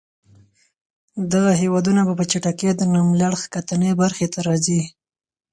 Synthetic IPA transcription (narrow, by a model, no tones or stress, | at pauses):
d̪aɣaɦewɑd̪unabapət͡ʃaʈaked̪ənamlaɽxkat̪anebaɾxet̪aɾɑzi